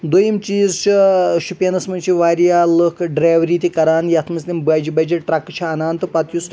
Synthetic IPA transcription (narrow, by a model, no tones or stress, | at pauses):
d̪ojimt͡ʃiːzt͡ʃiʃupʲɐnɐsmɐnʲt͡ʃʰiʋaːɾjaːlɨkʰɖɾaːʋɾiːt̪ʲikɐɾaːnjɐt̪ʰmɐslʲimbaːd͡ʒibɐd͡ʒiʈɾɐkːɨt͡ʃʰɐɐnaːnt̪ɨpɐt̪jus